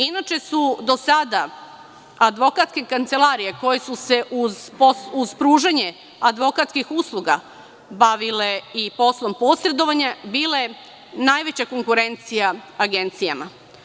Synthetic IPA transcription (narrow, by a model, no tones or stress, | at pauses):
inat͡ʃe̞sud̪o̞sad̪a | ad̪ʋo̞kat̪ske̞kant̪se̞laɾijeko̞jesuse̞ʔuzposuz̥pɾuːʒeɲe̞ | ad̪ʋo̞kat̪skixuslˠuɡa | baʋile̞ipo̞slˠo̞mpo̞sɾe̞d̪o̞ʋaɲabiːle̞ | najʋe̞t͡ɕako̞ŋkuɾe̞nt̪sijaaɡe̞nt̪sija̰ma